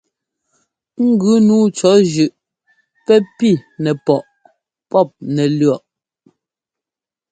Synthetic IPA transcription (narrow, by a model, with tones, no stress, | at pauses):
ŋ̩˦ɡʉ˨˦nuː˦t͡ʃɔ˨˦ʒʉ˨ʔ | pɛ˦pi˦˨nɛ˨pɔ˨ʔ | pɔ˦˨p̚nɛ˨lɥɰɔ˨ʔ